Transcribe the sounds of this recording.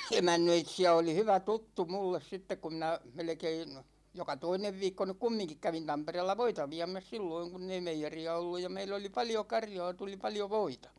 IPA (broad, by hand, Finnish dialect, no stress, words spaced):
emænːøitsiæ oli hyʋæ tutːu mulːes sitːek ku minæ melĕkein jokɑ toineʋ ʋiːkːo nyk kumːiŋkik kæʋin tɑmpereːlːɑ ʋoitɑ ʋiæ̝mæs silːoiŋ kunː ei meijeriɑ olːuj jɑ meilː oli pɑljo kɑrjɒː tuli pɑljo ʋoitɑ̥